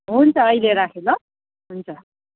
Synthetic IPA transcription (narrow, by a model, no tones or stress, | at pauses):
ɦunt͡sʰʌːjleɾakʰelʌ | ɦunt͡sʰʌ